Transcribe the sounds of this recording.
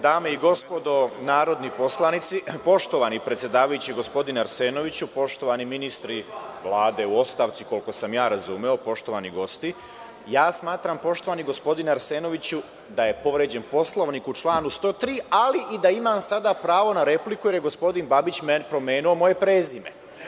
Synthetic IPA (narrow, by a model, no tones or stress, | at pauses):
d̪aːmeiɡo̞spo̞d̪o̞naːɾo̞d̪nipo̞slˠanit̪sipo̞ʃt̪o̞ʋanipɾet̪sʲje̞d̪aːʋajut͡ɕiɡo̞spo̞d̪inaɾseːno̞ʋit͡ɕupo̞ʃt̪o̞ʋaniminist̪ɾiʋlˠaːd̪e̞uo̞st̪aːʋt̪siko̞lko̞samjaːɾazuːmeo̞po̞ʃt̪o̞ʋaniɡo̞st̪i | jaːsmaːt̪ɾampo̞ʃt̪o̞ʋaniɡo̞spo̞d̪inaɾseːno̞ʋit͡ɕu | d̪aje̞po̞ʋɾed͡ʑe̞npo̞slˠo̞ʋnikut͡ʃlˠaːnust̪o̞ːt̪ɾiːaliʔid̪aimamsad̪apɾaːʋo̞naɾe̞plikujeɾje̞ɡo̞spo̞d̪inbabit͡ɕmenpɾo̞meːnuomo̞je̞pɾeːzimḛ